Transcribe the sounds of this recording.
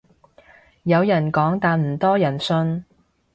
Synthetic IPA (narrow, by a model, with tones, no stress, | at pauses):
jɐ˨˧wjɐ˨˩nkɔː˨˥ŋt̪aː˧nm̩˨˩t̪ɔː˥jɐ˨˩nsɵ˧n